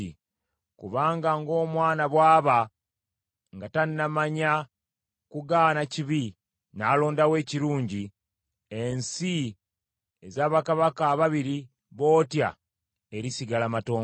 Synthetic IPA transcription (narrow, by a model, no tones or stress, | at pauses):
i | kuβaːŋɡaŋɡo̞ːmwaːnaβwaːβa | ŋɡataninamaɲa | kuɡaːnaciβi | naːlo̞ːndawe̞ːciɾuːɲɟi | e̞nsi | ezaːβakaβakaːβaβiɾi | βo̞ːtja̰ | e̞ɾisiɡalamato̞ː